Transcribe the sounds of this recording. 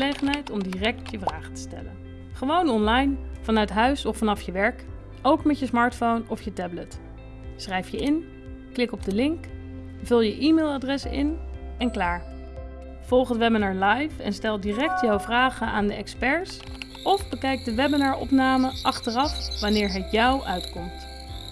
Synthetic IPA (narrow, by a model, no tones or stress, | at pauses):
lejχənɦɛjtɔmdirɛk̚tjəvraːχə̥tə̥stɛ̰lə̰n | χəʋownɔnlɑjnvɑnœɥtɦœɥsɔfːɑnɑfjəʋɛɹk | owkmɛəsmɑːɹtfownɔfjətɛblət | srɛjfjəɪn | klɪkɔb̚dəlɪŋk | vɵlˠjəʔimeːlˠadrɛsɪ̰nɛnklaːɹ | v̥ɔlˠχətʋɛbənɑːɹlɑjfɛ̰nstɛlˠdiːrɛk̚tjawvraːχəaːndəɛkspɛɹs | ʔɔfbəkɛjk̚dəʋɛbənaːɹɔ̰pnaːməʔɑχtərɑfʋɑnɪːɹɦətjɑwʔœɥtkɔmt